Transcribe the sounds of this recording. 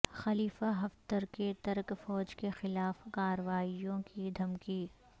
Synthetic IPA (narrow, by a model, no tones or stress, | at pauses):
xɐliːfaɦɐft̪əɾket̪ɐɾkfɔːd͡ʒkexɪlaːfkaːɾəʋaːijõkid̪ʱɐmkiː